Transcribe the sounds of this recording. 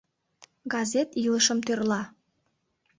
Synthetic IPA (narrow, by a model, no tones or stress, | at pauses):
ɡɑzet̪iləʃəmt̪ørlɑ